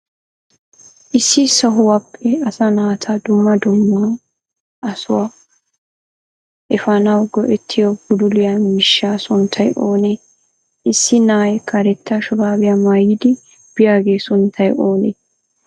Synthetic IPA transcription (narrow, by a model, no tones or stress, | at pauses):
ʔɪsːɪsɐɦʊwɐpʰːɛɐsɐnaːt̪ʰɐd̪ʊmːɐd̪ʊmːa | ʔɐsʊwa | ʔɛfɐnawɡɔʔɛt̪ʰːɪjɔbʊd̪ʊlɪjɐmɪʃːaːsʊnt̪ʰɐjʔoːne | ɪsːɪnaːjɛkɐɾɛt̪ːaʃʊbaːbɪjɐmɐjːɪd̪ɪ | b̥ɪjaːɡeːsʊnt̪ʰːɐjʔoːnḛ